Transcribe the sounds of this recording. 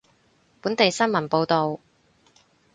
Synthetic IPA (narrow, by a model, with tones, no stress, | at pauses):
puː˨˥nt̪e˨jsɐ˥nmɐ˨˩npo˧wt̪o˨w